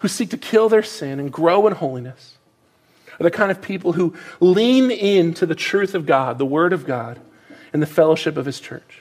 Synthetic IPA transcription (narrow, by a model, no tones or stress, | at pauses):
husik̚tʰɨkʰɪlˠðə˞sɪ̃nɨ̃nɡɹoʊə̃nhoʊlˠinɨs | ðə˞kʰãɪ̃ndʌv̥pʰipl̩ˠɦulĩnɪ̃ntʰɨðɨtʰɹ̥ʉθʌvɡɑd̪̚ðəwɜ˞ɾʌvɡɑɾ | ɨ̃nðɨfɛlˠoʊʃɨpʌv̥ɨz̥t͡ʃʰɜ̰˞t͡ʃ